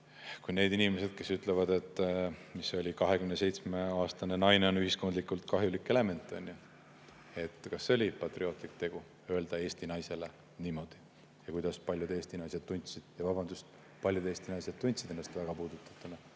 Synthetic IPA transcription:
kujne̞ːd̪inʲimese̞d̪̥̚ke̞syt̪ˑlevɑd̪e̞t̪ːˑmiso̞lʲikɑɦe̞kymnese̞jt̪sme̞ɑːst̪ɑne̞nɑjne̞o̞nyɦisko̞nd̪likːˑult̪kɑɦjulikːele̞me̞nt̪ˑːonʲju | e̞t̪ːˑkɑsːeo̞lʲipɑt̪rio̞ːt̪ːˑlik̚t̪e̞ɡ̥u | ø̞e̞ld̪̥ɑe̞ːsʲt̪inɑjse̞le̞ | niːmo̞d̪̥i | jɑkujd̪̥ɑspɑlʲjud̪e̞ːst̪inɑjse̞d̪t̪ːunʲt̪sid̪̥jɑvɑbɑnd̪̥ust̪ | pɑlʲjud̪̥e̞ːst̪inɑjsed̪̚t̪ːunʲt̪sid̪̥e̞nːɑst̪væɡ̥ɑpuːd̪̥ut̪ːˑɑt̪ːˑunɑ

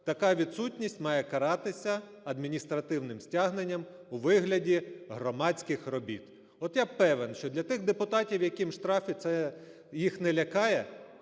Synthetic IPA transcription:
t̪ɐkɑʋʲid̪sutʲnʲisʲtʲmɑjɛkɐɾɑt̪ɪsʲɐ | ɐd̪mʲinʲist̪ɾɐt̪ɪwnɪmsʲtʲaɦnenʲːɐm | uʋɪɦlʲɐdʲiɦɾɔmɑt͡sʲkɪxrɔbʲḭt̪ | ɔt̪japɛʋenʃt͡ʃɔd̪lʲɐt̪ɪɣd̪epʊt̪ɑtʲiwjɐkʲimʃt̪ɾɑfʲit̪sɛ | jixnɛlʲɐkɑjɛ

